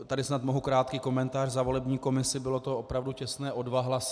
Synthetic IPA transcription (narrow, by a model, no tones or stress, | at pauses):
t̪adɪsnat̪mnoɦukɾaːt̪kiːko̞mɛnt̪aːrzavo̞lɛbɲiːko̞mɪsɪbɪlo̞t̪o̞opɾavducɛst̪nɛːʔo̞dvaɦlasɪ